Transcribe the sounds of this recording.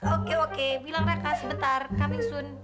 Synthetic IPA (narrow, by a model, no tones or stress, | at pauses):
okeokebilaŋɾakasəbət̪arkamisʊn